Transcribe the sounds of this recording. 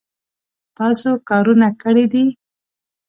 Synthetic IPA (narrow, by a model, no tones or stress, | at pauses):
t̪ɑsokɑɾunakəɽid̪i